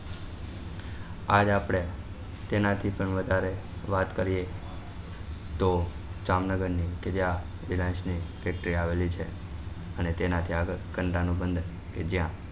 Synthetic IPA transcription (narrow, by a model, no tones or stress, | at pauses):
ad͡ʒapɽ̃e | t̪enat̪ʰipəɳʋəd̪ʱaɾeʋat̪kəɾije | t̪o | d͡ʒamnəɡəɾniked͡ʒjã | ilãnsnifɛk̚ʈəɾiaʋelit͡ʃʰe | ənet̪enat̪ʰiaɡəɭkəɳʈanũbənd̪ʱəɾ | ked͡ʒjã